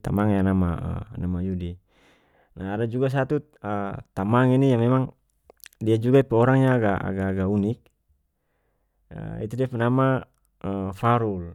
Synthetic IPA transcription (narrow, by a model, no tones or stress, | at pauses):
t̪amaŋjanamaə̰namajudi | naadad͡ʒuɡas̬at̪u | ət̪amaŋinijamɛmaŋ | diad͡ʒuɡaipɛɔɾaŋɲaːɡaa̰ɡaːɡaunik̚ | ə̰ḭt̪udɛpanama | əfaɾul